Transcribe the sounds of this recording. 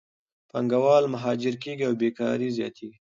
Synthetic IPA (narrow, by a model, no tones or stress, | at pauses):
paŋɡawɑlmaɦɑd͡ʒɪɾkeɡiawbekɑ̰ɾizjɑ̰t̪ʰeɡi